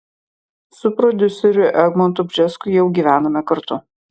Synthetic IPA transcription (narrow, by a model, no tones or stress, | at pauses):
sʊpɾɔd̪ʲʊsʲɛɾʲʊʔɛɡmɔnt̪ʊbʲd͡ʒʲɛskʊjɛʊɡʲiːʋʲæːnɐmʲɛkɐɾt̪ʊ